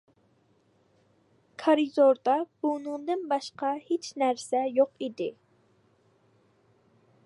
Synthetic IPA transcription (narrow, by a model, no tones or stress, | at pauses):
kʰɑɾizoɾd̪ɑb̥unɨŋd̪ɨnbɑʃqɑhet͡ʃnæɾsɛjoqid̪ɪ